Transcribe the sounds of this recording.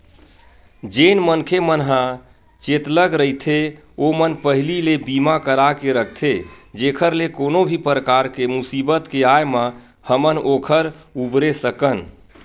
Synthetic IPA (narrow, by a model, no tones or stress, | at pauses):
d͡ʒenmənkʰemənɦã | t͡ʃet̪ləɡɾəɦit̪ʰe | omənpəɦililebimakəɾakeɾəkʰt̪ʰed͡ʒekʰəɾlekonobʱipɾəkaɾkemusibət̪keajmə̃ | həmənokʰəɾubɾesəkən